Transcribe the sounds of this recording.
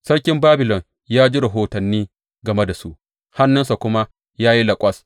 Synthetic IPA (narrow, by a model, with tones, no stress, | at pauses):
sɐ˦ɽkʲɪ˦mbaː˦bɪ˨lɔ˨ŋ | jaː˦d͡ʒi˦ɾɐ˨ɦoː˨tɐ˨nːiː˦ | ɡɐ˨me˦da˨su˦ʔ | ha˦nːʊ˦nsa˨kʷʊ˦ma˦ | jaː˦ji˦lɐ˨kʷʼɐ˦s